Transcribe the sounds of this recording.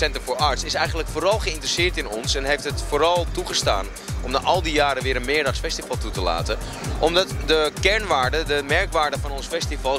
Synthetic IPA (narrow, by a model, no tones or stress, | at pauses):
sɛntəfʊːɹɑɹtsɪsɛjχənləkfoːɾɑlˠχəɪntrəsɪːɹtɪnɔnsɛnɦejftɦətfoːɾɑlˠtuχəsta̰ːn | ɔmnaʔɑlˠdijaːɾəʋɪːɾənmɪːɹdɑχsfɛstivɑlˠtutəla̰ːtə | ʔɔmdɑtdəkɛɹnʋaːɹdədəmɛɹkʋaːɹdəvɑnɔnsfɛstivɑlˠ